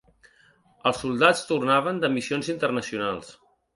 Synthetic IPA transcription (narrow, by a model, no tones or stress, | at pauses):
əlˠsːulˠd̪at͡st̪urnaβ̞ənd̪əmisionzint̪ərnəsiunalˠs